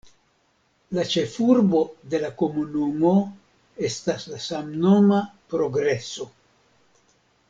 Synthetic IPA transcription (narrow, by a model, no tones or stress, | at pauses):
lat͡ʃe̞fuɾbo̞d̪e̞lako̞munumo̞ | e̞staslasamno̞mapɾo̞ɡɾe̞so̞